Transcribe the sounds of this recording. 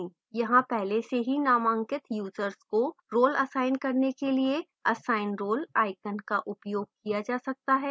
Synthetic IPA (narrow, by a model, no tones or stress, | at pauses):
ĩ | jɐɦãpɛɦleseɦinaːmə̃ŋkɪt̪juːzəɾskoɾoːlɐsaːɪnkɐɾnekelie | ɐsaːɪnɾoːlaːɪkənkaʔʊpjoːɡ̚kijad͡ʒaːsɐk̚t̪aɦɛː